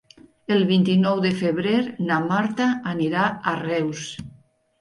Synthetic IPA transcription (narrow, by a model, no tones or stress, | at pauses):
elˠβint̪inɔwðefeβɾeɾnamaɾt̪aːniɾaarɛws